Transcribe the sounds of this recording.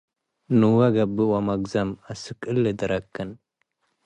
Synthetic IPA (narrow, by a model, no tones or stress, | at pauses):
nɨwɐɡɐbːɨwɐmɐɡzɐmasɨkʼɨlːɨd̪ɨɾɐkːɨn